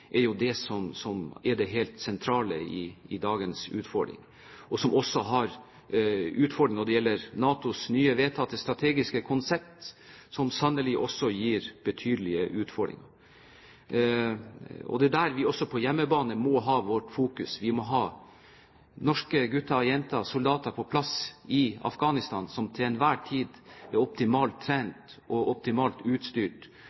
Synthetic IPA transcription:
ʔɛɾjʊd̪ɛsɔmsɔmɛɾɖɛɦɛːlt̪sɛnt̪ʰɾɑːləɪ̰ːd̪ɑːɡənsʉ̰ːt̪fɔɾɖɾɪ̰ŋ | ɔsɔmʔɔsːɔɦɑɾ | ʉːt̪fɔɾɖɾɪŋnɔɖ̪ɛjɛlːəɾnɑːt̪ʊsnyːəʋeːt̪ʰɑt̪əst̪ɾɑt̪ʰeːɡɪskəkʰʊnsɛp̚t̪sɔmsɑnəlɪʔɔsːɔjiːɾb̥ət̪ʰyːd̪əlɪəʔʉːt̪fɔɾɖɾɪ̰ŋɑ | ɔ̰d̪ɛd̪æɾʋɪɔsːɔpʰɔjɛmːəbɑːnəmɔɦɑːʋɔʈfuːkʉsʋɪmɔɦɑː | nɔʂkəɡʉt̪ːɑjɛnt̪ɑsʊld̪ɑːt̪ɑpʰɔpʰlɑsɪɑ̰fɡɑːnɪst̪ɑːnsɔmt̪ʰɪɛnʋæːʈʰiːd̪ɛɾɔp̚t̪ɪmɑːlt̪ʰːɾæːnt̪ʔɔʔɔp̚t̪ɪmɑːlt̪ʉːt̪st̪yːʈ

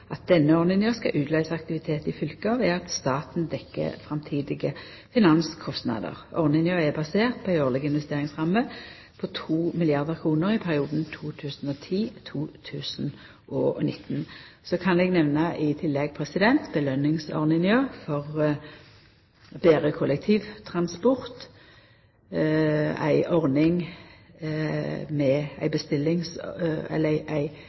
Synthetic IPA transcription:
ʔɑt̪̚d̪ɛnːəɔʁnɪnjøːskɑʔʉːt̪lɑɪsɑk̚t̪ɪʋɪt̪ʰeːt̪ɪfʏlkɑʋɛɑt̪st̪ɑːt̪n̩d̪ɛkːə̰fɾɑmt̪ʰiːd̪ɪɡə | fɪnɑnskʰɔst̪nɑ̰d̪ə̰ʁɔʁnɪnjøːɛbɑseːʁt̪̚pʰɔɪoːʁlɪɡəɪnʋɛst̪eːʁɪŋsʁɑmːə | pʰɔt̪ʰuːmɪlɪɑʁd̪əʁkʰʁuːnəʁɪpʰæʁɪuːd̪n̩t̪ʰuːt̪ʰʉːsn̩ɔt̪ʰiːt̪ʰuːt̪ʰʉːsn | ʔɔnɪt̪ːn | sɔkʰɑnɛɡnɛʋnəʔɪt̪ʰɪlːɛɡ̚pʰʁɛsɪd̪ɛnt̪bəlœnɪŋsɔ̰ʁnɪnjøːfɔʁ | beːʁəkʰʊlɛk̚t̪ʰiːʋt̪ʰʁɑnspɔʁt̪ | æ̰ɪʔɔʁnɪŋ | mɛæ̰ɪbəst̪ɪlːɪŋsɛ̰lːəæɪʔæɪ

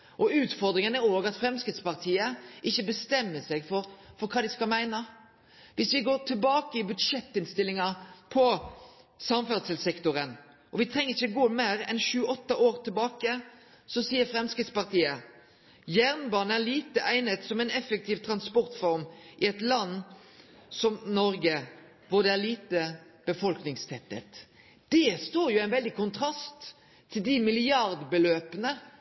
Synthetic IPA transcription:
ʔɔʉːt̪fɔɾd̪ɾɪŋənæɾoːɡɑt̪fɾɛmskɪt̪spɑʁt̪ʰiːəʔɪçːəbəst̪ɛmːəsɛɡfɔɾfɔɾkʰɑːd̪ɪskɑlmæɪnə | ʋɪsʋɪɡoːʈ̪ʰɪlbɑːkəɪbʉd̪ʂɛt̪ːɪnst̪ɪlːɪŋɑpʰɔ | sɑmfæʁd̪səlsɛkt̪ʊɾən | ʔɔʋɪt̪ʰɾɛŋːəɪçəɔɡoːmeːɾɛ̰nʃʉːəʔɔt̪ːɑʔoːɾt̪ʰɪlbɑːkə | sɔsiːəɾfɾɛmskʁɪt̪spɑʁt̪ʰiːə | jæʁnbɑːnəæliːt̪əʔæɪnət̪sɔmæɪnɛfək̚t̪ʰiːʋt̪ʰʁɑnspɔʁt̪fɔɾmʔɪɛt̪lɑnː | sɔmnɔɾɡə | ʋʊʁd̪ɛæliːt̪ə | b̥əfɔlknɪŋst̪ʰɛt̪ːə̰t̪ | d̪̥ɛst̪oːjʊæɪnʋɛld̪ɪkʰʊnt̪ʰʁɑst̪ʰː | ɪld̪ɪmɪlɪɑʁd̪bəløːpənə

